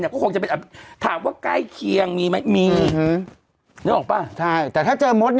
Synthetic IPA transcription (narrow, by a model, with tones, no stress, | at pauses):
n˧i˥˩kɔː˥˩o˧ŋt͡ɕa˨pe˧ʔa˨˩t̪ʰaː˩˦mwaː˥˩kla̰ː˥˩jkʰi˧əŋmiː˧ma˦˥jmiː˧˦˥ | niː˦˥˩ʔɔː˨˩paː˧˩t͡ɕʰa˥˩jt̪ɛː˨˩t̪ʰaː˥˩t͡ɕɤː˧mo˦˥t̪̚n